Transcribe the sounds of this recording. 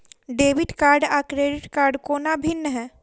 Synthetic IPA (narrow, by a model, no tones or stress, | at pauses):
ɖeːʋɪʈkaːɾɖaːkɾeːɖɪʈkaːɾɖkoːnabʱɪnːəɦɛ̃ː